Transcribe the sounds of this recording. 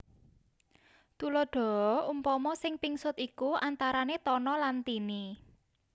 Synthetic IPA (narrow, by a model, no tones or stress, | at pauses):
t̪ulɔɖ̥ɔ̤ɔumpɔmɔsɪŋpiŋsʊt̪ikuʔant̪aɾanet̪ɔnɔlant̪ini